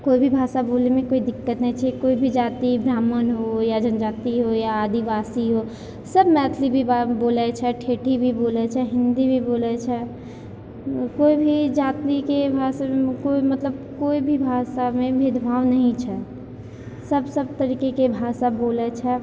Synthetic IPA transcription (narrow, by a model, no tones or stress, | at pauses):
koibʱibʱaːʃabolemẽkoːid̪ɪkːət̪nəɦĩt͡ʃʰɛkoibʱid͡ʒaːt̪ibɾaːmənɦojad͡ʒənd͡ʒaːt̪iɦojaːd̪ibasiɦo | səbmɛt̪ʰlibʱibboːlɛt͡ʃʰɛʈʰeːʈʰibʱiboːlɛt͡ʃʰɛɦɪ̃nd̪ibʱiboːlɛt͡ʃʰɛ | koːibʱid͡ʒaːt̪ikebʱasamekoimət̪ləb̚koːibʱibʱaːsamẽbʱed̪ʱbaːʋnəɦĩt͡ʃʰɛ | səbsəbt̪əɾiːkekebʱaːsaboːlɛt͡ʃʰɛ